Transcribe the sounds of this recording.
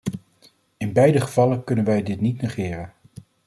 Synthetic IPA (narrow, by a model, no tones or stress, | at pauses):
ɪnbɛjdəχəvɑləkɵnənʋɛjdɪtnitnəχɪːrən